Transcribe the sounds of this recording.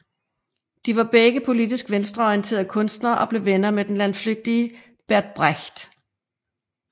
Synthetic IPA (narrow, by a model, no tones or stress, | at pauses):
d̥iʋɑ̈b̥eɡ̥əpʰo̝lid̥isɡ̥ʋensd̥ʁɐɒiənt͡sʰe̝̰ːɐkʰɔ̽n̰sd̥nɐʔɒ̽b̥le̝ʋenɐmed̥enlænfløɡ̥̚d̥iə | b̥æɐd̥̚b̥ʁaçd̥